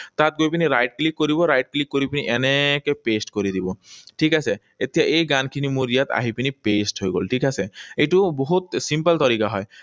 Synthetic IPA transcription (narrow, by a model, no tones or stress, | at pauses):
t̪at̪̚ɡojp̬iniɾajʈ̚klikːoɾiβɔɾajʈ̚klikːoɾipiniʔɛnekepesʈkoɾid̪ibɔʈʰikase | et̪ijaʔejɡankʰinimuɾijat̪a̰ɦipinipesʈɦojɡo̰lʈʰikaseejʈuboɦut̪simpəlt̪ɔɾikaɦɔj